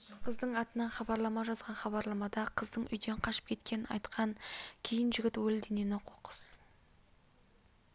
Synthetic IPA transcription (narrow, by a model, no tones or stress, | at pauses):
qʰəzd̪əɴɑt̪ənɑnχɑbɑɾlˠɑmɑʒɑzʁɑnχɑbɑɾlˠɑmɑd̪ɑqʰəzd̪əɴʔʏ̰jd̪e̞ɴqʰɑʃə̥p̚kʲʰe̞t̪kʲe̞nɪnɑ̰jt̪qʰɑŋkʲʰe̞jɪnʒɪɡʲɪt̪wɵld̪eneneqʰoqə̥s